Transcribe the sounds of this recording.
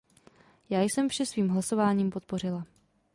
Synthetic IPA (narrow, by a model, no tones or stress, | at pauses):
jaːjsɛmfʃɛsviːmɦlaso̞vaːɲiːmpo̞t̪̚po̞r̝ɪla